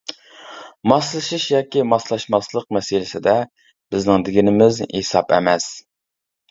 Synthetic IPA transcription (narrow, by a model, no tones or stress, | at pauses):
mɑslˠɨʃiʃjɑːkʲimɑslˠɑʃmɑslˠəq̚mɛsɪlɪsɪd̪ɛ | b̥ɪznɪŋd̪ɪɡʲinɪmɪzhesɑpɛ̰mɛs